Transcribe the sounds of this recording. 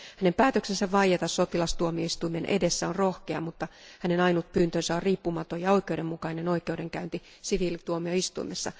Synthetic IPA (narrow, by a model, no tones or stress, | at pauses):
hæne̞mpæːt̪ø̞ksensæʋʋɑjet̪ɑsso̞t̪ilɑst̪uomioist̪uime̞nʔe̞̰de̞sːæonro̞hkeɑmut̪ːɑhæne̞nɑinut̪̚pyːnt̪ønsæorriːpːumɑt̪o̞jɑo̞ikˑe̞ude̞mːukɑine̞no̞ike̞ude̞ŋkæynt̪i | siʋilt̪uomioist̪ṵimesːɑ̰